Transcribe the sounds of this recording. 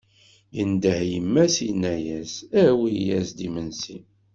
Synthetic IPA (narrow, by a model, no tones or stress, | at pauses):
jənd̪əhjəmːæsinːæjæsæwijæsd̪imənsi